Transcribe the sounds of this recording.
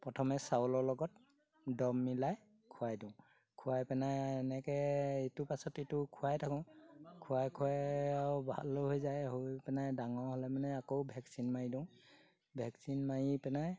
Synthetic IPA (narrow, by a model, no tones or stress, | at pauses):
pɹɔtʰɔmɛsawlɔɹlɔɡɔt̚ | dɔmːilaj | kʰʊajdʊ̃ʊ̃ | kʰʊwajpɛnajɛnɛkɛetʊpasɔtetʊkʰʊwajtʰakɔ̃kʰʊwajkʰʊwajabʱa̰lɦojzajɦopɛnajdaŋɔɦɔlɛmanɛakowbʱɛksinmaidʊ̃ʊ̃ | bʱɛksinmajipɛnaj